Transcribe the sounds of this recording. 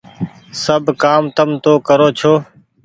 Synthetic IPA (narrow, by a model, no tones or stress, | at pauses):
səbʱkaːmt̪əmt̪oːkəɾoːt͡ʃʰoː